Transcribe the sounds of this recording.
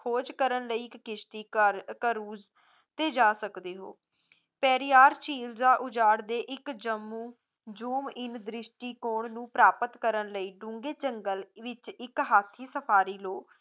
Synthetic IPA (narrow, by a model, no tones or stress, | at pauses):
kʰoːd͡ʒkəɾənləiːɪkːɪʃt̪iːəɾkəɾuːd͡ʒ | t̪eːd͡ʒaːsəkd̪eːɦo̰ː | pɛːɾiːaːɾt͡ʃiːld͡ʒaːʔʊd͡ʒaːɽd̪eːʔɪkd͡ʒəmːũː | d͡ʒuːmɪnd̪ɾɪʃʈiːkoːɳnũːpɾaːpət̪kəɾənləiːɖʊ̃ŋɡeːt͡ʃəŋɡəlʋɪt͡ʃɪkɦaːt̪ʰiːsəpʰaːɾiːloː